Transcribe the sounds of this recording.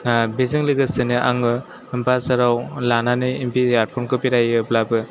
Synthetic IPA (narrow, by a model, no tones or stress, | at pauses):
beziŋliɡɯsɯnɯʔaŋɯ | ɯmpasaɾawlananɯimpijaɾ̚pʰɔnkɯpiɾajɯplabɯ